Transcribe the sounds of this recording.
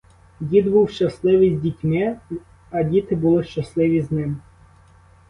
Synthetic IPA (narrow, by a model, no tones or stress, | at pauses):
dʲid̪buwʃt͡ʃɐslˠɪʋɪjzʲdʲitʲmɪ | ɐdʲit̪ɪbʊlˠɪʃt͡ʃɐslˠɪʋʲiznɪm